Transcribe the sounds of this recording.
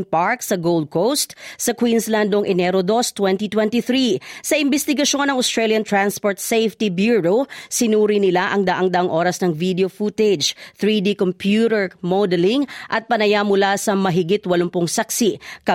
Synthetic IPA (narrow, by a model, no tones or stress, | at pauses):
npaɹksɐɡowld̪̚kʰost̪sɐkwinsland̪oŋʔɛnɛɾod̪ost̪wɛnt̪it̪wɛ̃nt̪iθɾisɐʔɪmbɛst̪ɪɡɐʃo̞nɐŋost̪ɹeljɐnt̪ɹanspoɹt̪sejft̪ibjuɹosɪnuːɾinɪlaʔɐŋd̪ɐʔɐŋd̪ɐʔaŋʔo̞ːɾɐsnɐŋvid̪ɛofut̪ɛd͡ʒθɹid̪ikompjuɾɛɹmod̪ɛlɪŋʔɐt̪̚pɐnɐjamʊlasɐmɐɦɪɡit̪wɐlompʊŋsɐksikɐ